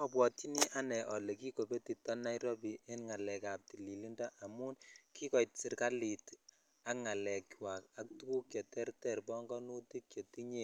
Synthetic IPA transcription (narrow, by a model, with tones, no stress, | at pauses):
ɔ˨pwɔ˨tːi˦ni˦ʔa˦nɛ˨ʔɔ˨le˨ki˦ko˨pe˦ti˨tɔ˦na˦jɾɔ˦pi˨e˦nŋa˨lɛ˨ka˨p̚ti˨li˨li˦nda˦ʔa˨mu˦nki˦kɔ˨jt̚si˨rka˦li˨t | a˦kŋa˨lɛ˨kwa˨ka˦k̚tu˦ku˦kjɔ˨tɛ˦rtɛ˦˨rbɔ˦ŋɡɔ˦nu˦ti˦kjo˨ti˦ɲe˦˨